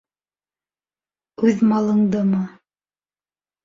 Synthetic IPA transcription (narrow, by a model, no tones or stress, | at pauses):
ʉðmɑlˠɤ̆ɴd̪ɤmɤ